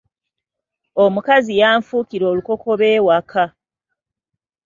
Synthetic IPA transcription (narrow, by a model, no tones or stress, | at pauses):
omukazijaːɱfuːkiɾo̞ːluko̞kʰo̞βeːwakʰa